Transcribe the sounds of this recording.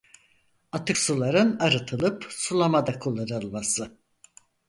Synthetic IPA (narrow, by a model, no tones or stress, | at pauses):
at̪ʰɯksulˠaɾɯnaɾɯt̪ʰɯlˠɯpsulˠamad̪akʰulˠaɾɯlˠmasɯ